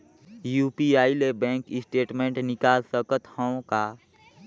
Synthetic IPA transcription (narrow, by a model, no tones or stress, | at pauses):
juːpiaːilebɛ̃ːŋkɪsʈeːʈmẽːɳʈnɪkaːlsəkət̪haõkaː